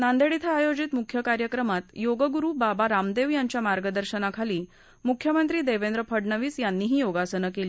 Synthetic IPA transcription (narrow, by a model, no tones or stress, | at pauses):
nand̪eɽit̪ʰaːjod͡ʑit̪mukʰjəkaɾjəkɾəmat̪joɡəɡuɾuːbabaɾamd̪eʋjaɲt͡ɕjamaɾɡəd̪əɾɕənakʰaliː | mukʰːjəmənt̪ɾiːd̪eʋend̪ɾəpʰəɖɳəʋiːsjanːiːɦiːjoɡasənəkeliː